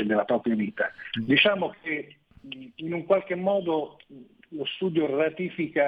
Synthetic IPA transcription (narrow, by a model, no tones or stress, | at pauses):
ed̪elapɾɔːpɾjaviːt̪ad̪it͡ʃaːmokʰe | inuŋkwalk̟emːɔːd̪o | lost̪uːd̪jorat̪iːfika